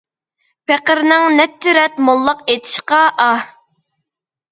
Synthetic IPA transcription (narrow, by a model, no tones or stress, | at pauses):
peqəɾnɨŋnɛt̪ʰːɪɾɛt̪molˠːəqet̪ʰɪ̥ʃqɑʔɑ